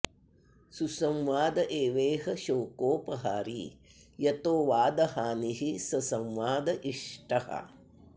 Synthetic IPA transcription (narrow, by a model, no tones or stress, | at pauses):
susɐmʋaːd̪ɐʔeːʋeːɦɐʃoːkoːpɐɦaːɾḭjɐt̪oːʋaːd̪ɐɦaːniɦisɐsɐmʋaːd̪ɐʔiʂʈɐhɐ̰